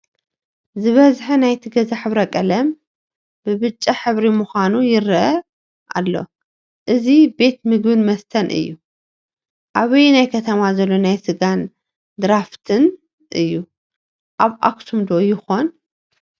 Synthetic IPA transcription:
zɨβɐzħɨnajt̪ʰiɡɐzaħɨβɾɐkʼɐlɐm | bɨβɨt͡ʃʼːaħɨβɾimuxanujɪɾɨʔɐ | ʔa̰lːo̞̰ | ʔɨzibe̞t̪mɨɡbɨnmɐst̪ʰɐnʔɨ̰jːu | ʔaβɨjnajkʰɐt̪ʰɐmazɐlːo̞najsɨɡan | d̪ɨɾaft̪ʰɨn | ʔɨjːu | ʔaβʔa̰kt̪ʰumd̪o̞jɪxo̞n

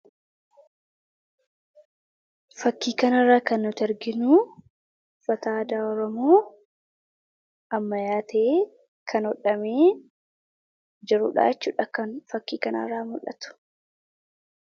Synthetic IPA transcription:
fɐkːiːkɐnɐrːaːkɐnːʊt̪ɛɾɡɪnuː | fɐt̪aːd̪aːɔɾɔmoː | ɐmːɐjaːt̪ʰeː | kʰɐnɔᶑɐmeː | d͡ʒɛɾuːᶑa̰ːɛt͡ʃːuːᶑɐkɐnfɐkːiːkɐnɐ̰rːaːmʊlːɐ̰t̪ʊ̥

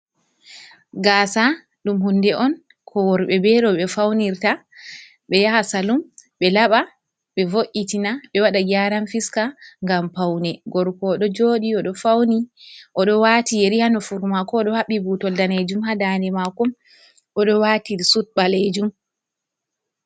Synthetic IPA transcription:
ɡaːsa | ɗumɦundɛʔɔn | kʰɔwɔɾɓɛbɛɗɔɓɛfawniɾta | ɓɛjahasalumɓɛlaɓa | ɓɛvoʔitinaɓɛwaɗaɡaɾanfiskaŋɡampawnɛɡɔɾkɔɗɔd͡ʒoːɗiɔɗɔfawniʔɔɗɔwatijeɾihanɔfuɾmakɔːɗɔhaɓibutɔldaned͡ʒumhadanɛmakɔm | ʔɔɗɔwatisut̚ɓaled͡ʒum

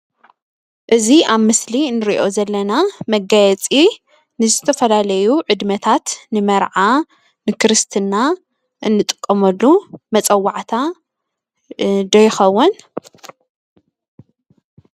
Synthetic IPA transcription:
ʔɨziaβmɨslinːɨɾiʔo̞zɐlːɐnamɐɡajɛt͡sʼi | nɨzɨt̪ʰɐfɐlalɐjuʕɨd̪mɐt̪ʰat̪nɨmɐɾʕa | nɨkʰɨɾɨst̪ʰɨnːa | ʔɨnːɨt̪ʼɨ̥kʼːɐmɐlːumɐt͡sʼɐwːaʕt̪ʰa | d̪ɐjxɐwːun

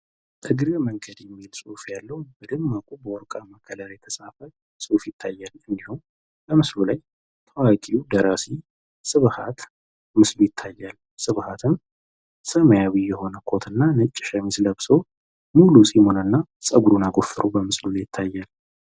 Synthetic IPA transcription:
t̪ʰɨɡɾəməŋɡəd̪jɛmːilsʼofjalːəwb̥əd̪ɨmːəkʼubəwɔɾkʼaməkʰəlalajt̪ʰəsafə | sʼofjɪt̪ʰːajːalɨnd̪ihum | bəmɨslulaj | t̪ʰəwakʼiud̪əɾasi | sɨβhat̪ | mɨslujɪt̪ʰːajːal | sɨβhat̪ʰɨm | səməjawiːɛho̞nəkʰo̞t̪ʰɨnːanɨt͡ʃʼːɪʃəmisləbso̞ | mulusʼimonənːasʼəɡuɾunaɡo̞fɨɾobəmɨslulajɪt̪ʰːajːal

